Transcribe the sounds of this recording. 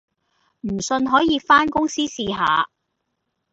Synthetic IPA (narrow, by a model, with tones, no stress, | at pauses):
m̩˨˩sɵ˧nɦɔː˨˥jiː˨˧faː˥nkʊ˥ŋsiː˥siː˧ɦa̰ː˨˧